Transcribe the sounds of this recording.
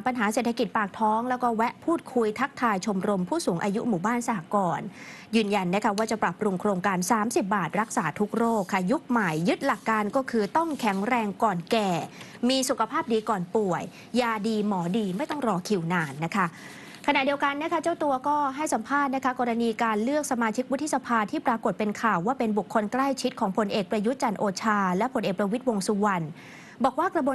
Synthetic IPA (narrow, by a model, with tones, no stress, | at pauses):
pa˧nɦaː˩˦seː˨˩t̪ʰa˧ki˨˩t̪̚paː˨˩k̚t̪ʰɔː˦˥ŋlɛː˦˥wkɔː˥˩wɛ˦˥ʔpʰuː˥˩t̪̚kʰu˧jt̪ʰa˦˥k̚t̪ʰaː˧jt͡ɕʰo˧mɾo˧mpʰuː˥˩suː˩˦ŋʔaː˧ju˦˥ʔmuː˨˩baː˥˩nsa˧˩ha˨˩kɔː˧n | jɯː˧nja˧nːa˦˥kʰa˦˥waː˥˩t͡ɕa˨˩pɾa˨˩pːɾu˧ŋkʰɾoː˧ŋkaː˧nsaː˩˦msi˨˩p̚baː˨˩t̪̚ɾa˦˥k̚saː˩˦t̪ʰu˦˥k̚ɾoː˥˩kʰːa˦˥˩ju˦˥k̚ma˨˩jːɯ˦˥t̪̚la˨˩kːaː˧nkɔː˥˩kʰɯː˧t̪ɔ˥˩ŋkʰɛ˩˦ŋɾɛː˧ŋkɔː˨˩nkɛː˨˩ | miː˧su˨˩kʰa˧pʰaː˥˩p̚diː˧kɔː˨˩npu˨˩əjː | aː˧diː˧mɔː˩˦diː˧ma˥˩jt̪ɔ˥˩ŋɾɔː˧kʰi˨˩wnaː˧nːa˦˥kʰa˦˥ | kʰa˧na˨˩ʔdi˧əwka˧nːa˦˥kʰa˦˥t͡ɕa˥˩wt̪u˧ɐkɔː˥˩ɦa˥˩jsa˩˦mpʰaː˥˩t̪̚na˦˥kʰa˦˥kɔː˧ɾa˧niː˧kaː˧nlɯ˥˩ək̚sa˧maː˧t͡ɕʰi˦˥k̚wt̪ʰːi˦˥sa˧pʰaː˧t̪ʰiː˥˩pɾaː˧ko˨˩t̪̚pe˧nkʰaː˨˩wːaː˥˩pe˧nbu˨˩kʰːo˧nkla˥˩jt͡ɕʰi˦˥t̪̚kʰɔː˩˦ŋpʰo˧nʔeː˨˩k̚pɾa˧ju˦˥t̪̚t͡ɕa˧nʔoː˧t͡ɕʰaː˧lɛ˦˥pʰo˧nʔeː˨˩k̚pɾa˧wi˦˥t̪̚wo˧ŋsu˧wa˧n | bɔː˨˩k̚waː˥˩kɾa˧bu˧